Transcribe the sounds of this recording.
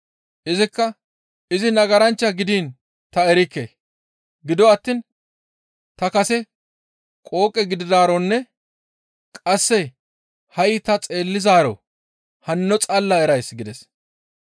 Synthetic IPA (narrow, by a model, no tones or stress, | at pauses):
ʔɪzɪkːɐ | ʔɪzɪnɐɡɐɾɐnt͡ʃːɐɡɪd̪iːn | t̪ɐɛɾɪkːḛ | ɡɪd̪ɔɐt̪ːiːn | t̪ɐkɐsɛ | kʼo̞ːkʼːɛɡɪd̪ɪd̪aːɾɔnːɛ | kʼɐsːɛ | hɐjt̪ɐt͡sʼe̞ːlːɪzaːɾɔ̰ | hɐnːɔt͡sʼɐlːɐɛɾɐjsɡɪd̪ɛs